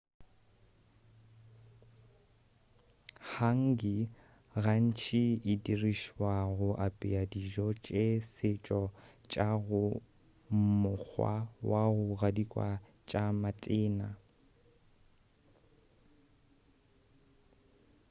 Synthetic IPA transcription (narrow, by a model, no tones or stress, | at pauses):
haŋ̩ɡi | ɣan̩t͡ʃʰiɪdiriʃwaɣʊʔapʼiadiʒɔt͡ʃʼesɪt͡ʃʼɔt͡ʃʼaɣʊ | mʊk͡xwa̰waɣʊɣadikʼwa | t͡ʃʼamatʼɪːna